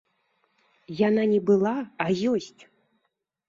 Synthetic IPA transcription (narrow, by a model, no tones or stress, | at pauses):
jananʲɛbɨlˠaːjɔsʲt͡sʲ